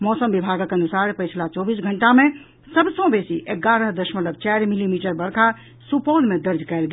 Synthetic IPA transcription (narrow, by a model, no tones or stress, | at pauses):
mɔsəmbibʱaɡəkənusaɾpəjt͡ʃʰlat͡ʃɔbisɡʱəɳʈame | səbsə̃besiʔeɡaɾəɦd̪əʃmət̪ləb̚t͡ʃaɾmilimiʈəɾbəɾkʰa | supolmed̪əɾd͡ʒkɛlɡ